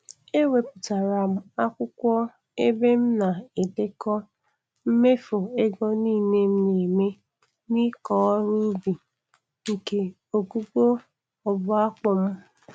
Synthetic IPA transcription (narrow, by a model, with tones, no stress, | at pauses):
e˦we˨pʊ˨ta˨ɾa˨m̩˦a˦kʷʊ˦kʷɔ˦ | e˦be˦m̩˦na˨e˨de˦kɔ˦ | m̩˦me˦fo˨e˦ɡɔ˦niː˦˨ne˦m̩˦ne˨me˦ | ni˦kɔ˨˦ɾu˦bi˨ | ŋ̩˨ke˨ | o˨ɡu˦ɡ͡bo˦ | ɔ˨bʊ˦a˦k͡pɔ˨m̩˦